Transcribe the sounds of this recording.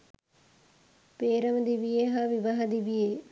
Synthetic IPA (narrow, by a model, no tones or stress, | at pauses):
peːɾəmd̪iːʋieːɦaːʋɪʋaɦd̪iːbieː